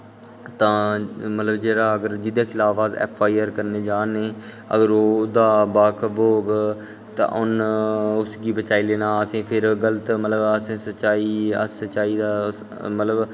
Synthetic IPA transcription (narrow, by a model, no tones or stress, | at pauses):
t̪ãːmət̪ləbd͡ʒeːɾaːəɡəɾd͡ʒɪd̪eːkʰɪlaːfaːzɛ̰ːpʰaːiːəɾkəɾneːd͡ʒaːneː | ə̰ɡəɾoːd̪aːbaːkʰboːɡ | t̪ã̰ːʔʊnʊsɡiːbət͡ʃaːiːleːnaːəsẽːpʰɪɾɡələt̪mət̪ləbəsẽːsət͡ʃaːiːə̰sət͡ʃaːiːd̪aː | mət̪ləb